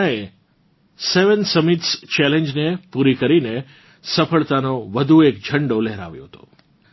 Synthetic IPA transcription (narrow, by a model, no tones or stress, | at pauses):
ae | seʋənsəmit̪st͡ʃɛlẽɲd͡ʒnepuɾikəɾine | səfəɭt̪anoʋəd̪ʱuekd͡ʒʱəɳɖolɛɦɾa̰ʋjo̰ɦət̪o̰